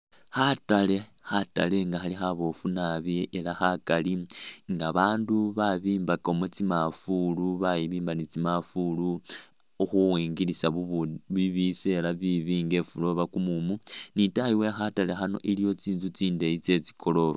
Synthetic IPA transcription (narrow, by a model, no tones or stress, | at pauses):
xatalexata̰le̞ŋɡaxalixaβo̞funaβieʔelaxakaliŋɡaβaːnduβaβiːmbakomut͡simafuluβajiβiːmbanit͡simafulu | uxuwiːŋɡilisaβiβise̞laβiβiːŋɡe̞fulo̞βakumumunitajiwexatale̞xano̞̰ʔilijo̞t͡siːnzut͡siːndeit͡se̞t͡si̥kʰo̞lo̞ɾo